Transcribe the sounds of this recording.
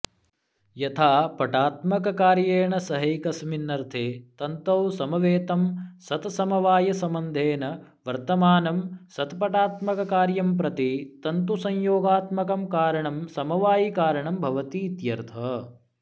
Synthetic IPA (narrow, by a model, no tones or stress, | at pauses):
jɐt̪ʰaːpɐʈaːt̪mɐkɐkaːɾjeːɳɐsɐɦɐjkɐsminːɐɾt̪ʰeːt̪ɐnt̪ɐwsɐmɐʋeːt̪ɐmsɐt̪sɐmɐʋaːjɐsɐmɐnd̪ʱeːnɐ | ʋɐɾt̪ɐmaːnɐmsɐt̪pɐʈaːt̪mɐkɐkaːɾjɐmpɾɐt̪it̪ɐnt̪usɐɲjoːɡaːt̪mɐkɐmkaːɾɐɳɐmsɐmɐʋaːjikaːɾɐɳɐmbʱɐʋɐt̪iːt̪jɐɾt̪ʰɐ